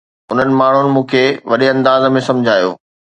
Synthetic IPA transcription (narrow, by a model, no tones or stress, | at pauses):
ʊn̤ənɪ̆maːɳ̤ʊnɪ̆mũːkʰeʋɐɗeɐ̃nd̪aːzmẽsɐ̃mʊd͡ʑʱaːjo̰ː